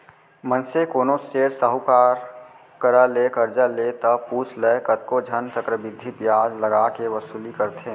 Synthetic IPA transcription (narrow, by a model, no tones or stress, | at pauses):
mənsekoːnoseːɾsəɦukaːɾ | kəɾalekəɾd͡ʒalet̪əpuːt͡ʃʰlekət̪̚kod͡ʒʱənt̪ʰəkɾəbɪd̪ʱːipjaːd͡ʒləɡaːkeʋəsuːlikəɾt̪ʰeː